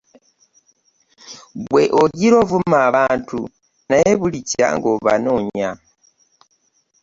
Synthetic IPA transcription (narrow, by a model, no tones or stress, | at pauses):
βweʔoɟiɾovumaːβaːntu | najeβulica̰ŋɡoβa̰noːɲa